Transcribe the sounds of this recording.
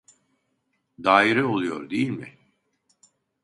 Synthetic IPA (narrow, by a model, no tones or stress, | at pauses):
d̪aːiɾio̞lˠujo̞̰ɾd̪ejilʲmɪ̰